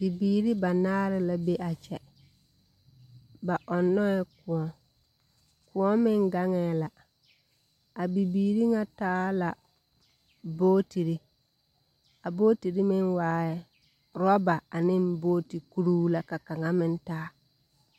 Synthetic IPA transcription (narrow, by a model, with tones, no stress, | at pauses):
b̥i˨biː˨ɾi˦ba˨naː˦ɾɪ˦la˨be˦ʔa˨t͡ʃɛ˨ | ba˨ʔɔ˨nːɔ˦ɛ˦kʊ˨ɔ˨ | kʊ˨ɔ˦mɪ˦ŋɡa˦ŋɛː˨˦la˨ | a˨bi˨biː˨ɾi˦ŋa˦taː˦la˨ | boː˦ti˨ɾi˦ | a˨boː˦ti˨ɾi˦mɪ˦nwaː˦ɛ˦ | ɾɔ˦ba˨a˨nɪ˦nboː˦ti˨ku˦ɾu˦la˨ka˨ka˨ŋa˦mɪ˦n˦taː˦